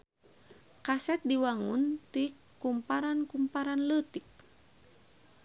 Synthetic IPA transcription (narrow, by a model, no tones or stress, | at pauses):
kasɛt̪̚diwaŋunt̪i | kumpaɾankumpaɾanlət̪ik̚